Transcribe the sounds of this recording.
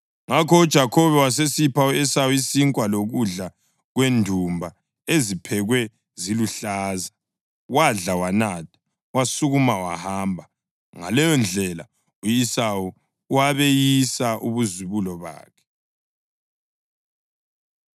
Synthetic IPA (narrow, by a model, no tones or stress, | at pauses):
ŋakʰɔud̥ʒ̥ʱakʰɔβɛwasesipʰauesawuisiŋkʼwaloɣuɮa | ɣwendʱumbʱa | ezipʰɛɣwɛ | ziluɬaːza | waɮawanatʰḁ | wasuɣumawa̰haːmbʱa | ŋa̰lɛjɔnd͡ɮʱɛla̰ | ujisau | waβejisaʔuβuziβulɔβa̰ːkʰɛ̥